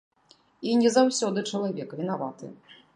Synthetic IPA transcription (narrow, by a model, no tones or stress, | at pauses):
inʲɛzawsʲɔd̪ɨt͡ʂɐlˠavʲɛkvʲinavat̪ɨ̰